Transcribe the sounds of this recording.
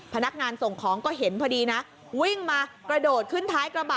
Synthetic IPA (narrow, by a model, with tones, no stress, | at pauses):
pʰa˧na˦˥k̚ŋaː˧nso˨˩ŋkʰɔː˩˦ŋkɔː˥˩ɦe˩˦npʰɔː˧diː˧na˦˥ | wi˥˩ŋmaː˧kɾa˧doː˨˩t̪̚kʰɯ˥˩nt̪ʰaː˦˥jkɾa˧baː˨˩